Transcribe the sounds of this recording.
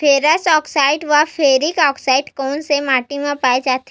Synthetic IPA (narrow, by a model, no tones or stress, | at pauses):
fʰeːɾəsɔːksaːɪɖʋapʰeːɾɪkɔːksaːɪɖkɔːnsemaːʈimẽpaːed͡ʒaːt̪